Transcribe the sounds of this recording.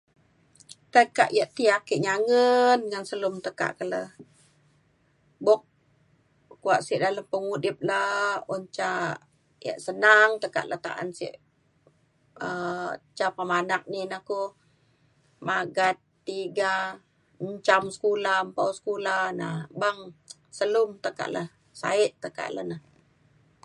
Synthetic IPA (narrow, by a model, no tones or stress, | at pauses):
t̪əka̰ʔjaʔt̪iakiʔɲaŋənŋansəlʊmt̪əka̰ʔkələh | bʊk̚ | kuaʔsiʔdaləmpəŋudɪp̚launt͡ʃa | ja̰ʔsənaŋt̪əka̰ʔla̰t̪a̰ʔa̰nsḭʔ | ət͡ʃapəmanak̚ninahku | maɡat̪ːiɡa | ɲt͡ʃamsə̥kulampawsə̥kulanabaŋ | səlumt̪əka̰ʔləh | sa̰iʔt̪ːəka̰ʔlə̰nəh